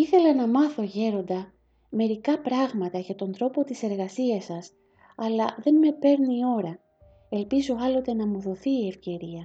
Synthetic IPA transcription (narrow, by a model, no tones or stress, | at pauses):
iθe̞lɐnɐmɐθo̞ʝe̞ɾo̞nd̪ɐ | me̞ɾikɐpɾɐɣmɐt̪ɐʝɐt̪o̞nd̪ɾo̞po̞t̪ise̞ɾɣɐsiɐsɐs | ɐlɐðe̞nme̞pe̞ɾnio̞ɾɐ | e̞lpizo̞ɐlo̞t̪e̞nɐmuðo̞θiːe̞fce̞ɾiɐ